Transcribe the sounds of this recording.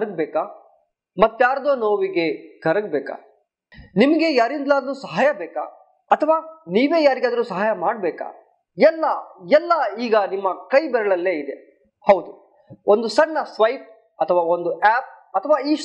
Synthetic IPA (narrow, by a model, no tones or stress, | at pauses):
ɾɐɡ̚bɛːka | mɐt̪ːjaːɾɐd̪oːnoːʋiɡe̞ɡʱɐɾɐɡbɛːka̰ | nimɐɡejaːɾind̪laːd̪ɐɾuːsɐɦaːjɐbɛːka̰ | ɐt̪ʰɐʋaːniːʋe̞ːjaːɾiɡaːd̪ɐɾuːsɐɦaːjɐmaːɖ̚bɛːka̰ː | ɛlːɐɛlːɐiːɡɐnimːɐkɐjbɛɾɐɭɐlːe̞ːid̪e | hɐwd̪u | ond̪usɐɳːɐsʋɐjʈ̚ | ɐt̪ʰɐʋaːo̞nd̪uʔɛːp̚ | ɐt̪ʰɐʋaːiː